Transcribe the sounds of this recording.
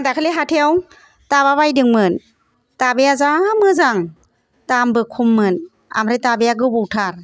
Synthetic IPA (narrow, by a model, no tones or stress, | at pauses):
dakʰɯleɦatʰejaw | taβaβajdɯŋmɯn | tabejazamɯzaŋ | tambɯkʰumːɯn | a̰mɾɯjtabejaɡɯwbuwtʰaɾ